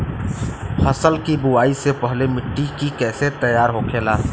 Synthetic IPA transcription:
həsəlkibʊwaːisepəɦlemɪʈːikikɛːset̪əjaːɾɦoːkʰeːlaː

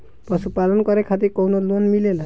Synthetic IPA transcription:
pɾɔsupalɔnɔkɔɾekʰat̪ikownɔluɔnmilela

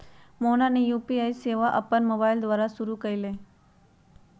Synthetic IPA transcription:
monanejuːpiajseʋaʔəpənmobaild̪ʋaɾasuɾukəjile

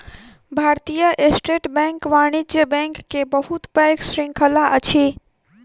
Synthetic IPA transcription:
bʱaːɾt̪ijəʔesʈeʈbɛ̃ŋkʋaːɽ̃id͡ʒjəbɛ̃ŋkːebəɦut̪pɛksɾɪ̃ŋkʰəlaʔət͡ʃʰe

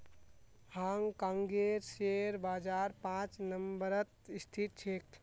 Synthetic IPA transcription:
haŋkãŋɡeɾseɾbaːd͡ʒaɾpãt͡ʃnəmbəɾət̪ist̪ʰit̪̚t͡ʃʰeːkt̪

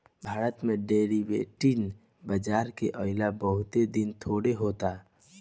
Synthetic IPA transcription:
bʱaːɾət̪mẽɖeɾiʋḛʈin | bəd͡ʒaːɾkḛʔəɪlabəɦʊt̪ed̪int̪ʰoːɽeɦoːt̪a

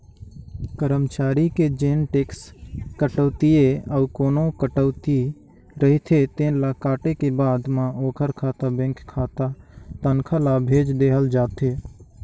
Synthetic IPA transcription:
kəɾəmt͡ʃaːɾiked͡ʒeːnʈeːkskəʈəːt̪ijeəukoːnokəʈəʊt̪i | ɾəɦit̪ʰet̪ẽːlakaːʈekebaːd̪mãoːkʰəɾkʰaːt̪abẽŋkʰkʰːaːt̪at̪ənkʰəlabʱeːd͡ʒd̪eːɦəld͡ʒaːt̪ʰeː

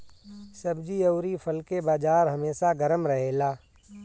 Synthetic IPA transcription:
sɐbd͡ʒiɐːɾipʰəlkebaːd͡ʒaːɾɦɐmeːsaɡəɾəmɾɐɦeːlaː

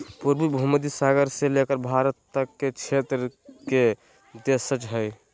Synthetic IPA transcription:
puɾbibʱuməd̪isaɡəɾselekəɾbʱaɾət̪ːəkket͡ʃʰet̪ɾəke | d̪esət͡ʃɦəj

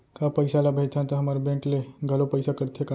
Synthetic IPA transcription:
kapəjsalabʱet̪ʰãnt̪əɦəmaɾbẽkleɡʱəlopəjsakəɾt̪ʰeka

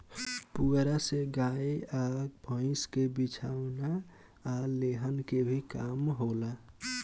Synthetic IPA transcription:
puɡɾaseɡaeabʱə̃ɪ̃skebit͡ʃʰawna | aleɦənkebʱikamɦola

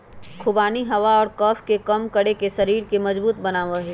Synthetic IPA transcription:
kʰʊbaːniɦɐʋaɔːɾkɔːfʰkekɐmkɐɽekeʃɐɾiːɾkemɐzbuːt̪̚bɐnaːʋaɦɛː

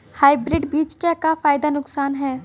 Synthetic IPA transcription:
haːɪbɾɪɖbiːt͡ʃkekafaːjd̪anʊksaːnɦɛː

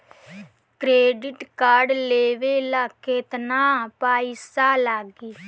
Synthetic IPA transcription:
kɾeːɖɪʈkaːɾɖleːʋeːlakeːt̪naːpaːiːsaːlaːɡiː

